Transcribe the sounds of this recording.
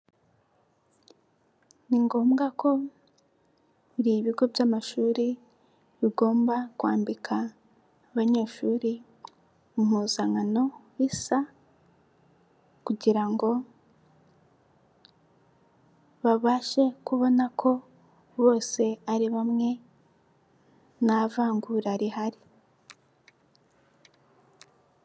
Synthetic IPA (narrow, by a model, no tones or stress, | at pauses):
niŋɡo̞ːmɡakʰo̞ | ɾiβiɡo̞bjaːmaʃuːɾi | βiɡo̞ːmbakwaːmbikʰaː | βaɲe̞ːʃuːɾi | umuzaŋano̞wisa | kuɟiɾaŋɡo̞ | βaβaːʃe̞kuβo̞nakʰo̞ | βo̞ːse̞aɾiβamŋe̞ | navaːŋɡuɾaɾihaɾi